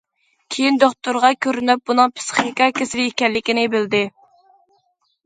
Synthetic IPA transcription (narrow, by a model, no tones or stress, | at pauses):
kʲʰejind̪oχt̪uɾʁɑkʲʰøɾynyp̚bunɨŋpʰɪ̥sχnɨkɑkʲʰesɪvɪikʲɛnlːɪkʲinɪbɪld̪ɪ